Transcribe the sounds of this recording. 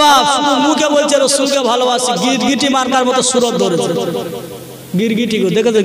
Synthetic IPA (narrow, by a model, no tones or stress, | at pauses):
aumũkebolt͡ʃʰeɾosulkebʱaloasiɡiɾɡiʈimaɾkaɾmɔt̪ɔsuɾok̪̚d̪ʱoɾet͡ɕʰee | ɡiɾɡiʈiɡod̪ekʰet̪o